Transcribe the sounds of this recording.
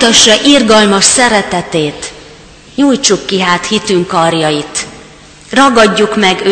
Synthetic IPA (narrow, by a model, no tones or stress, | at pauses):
ut̪ɒʃːɒʔirɡɒlmɒʃsɛɾɛt̪ɛt̪eːt̪ | ɲujt͡ʃukːiɦaːt̪hit̪yŋkɒrjɒjit̪ | rɒɡɒɟːukmɛɡø